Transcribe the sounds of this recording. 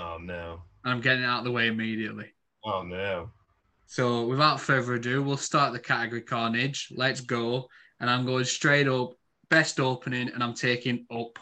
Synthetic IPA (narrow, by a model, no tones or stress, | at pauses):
onoʊə̃nãɪ̃mɡɛɾɪ̃ŋɪtaʊʔ̚ðəweɪɪmiːɾiəʔlɪ | oʊnoʊ | soʊwɪðaʊtfevəɹədʉːwilˠstɑɹʔðəkʰatəɡəɹikʰɑːnɪd͡ʒlɛtsɡ̥oʊ | ə̃ñãɪ̃mɡoʊɪ̃ŋstɹ̥eɪɾʊp̚ | b̥ɛstoʊpʰənɪ̃ŋə̃ñãɪ̃mtʰeɪkɪ̃ŋʊp